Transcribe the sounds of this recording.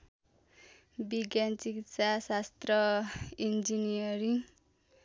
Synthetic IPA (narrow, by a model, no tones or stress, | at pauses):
biɡjant͡sikitsasast̪rʌind͡zinijʌɾiŋ